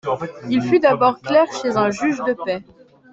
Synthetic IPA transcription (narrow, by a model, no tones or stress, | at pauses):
ilfyd̪abɔʁklɛʁʃezɛ̃ʒyʒd̪əpɛ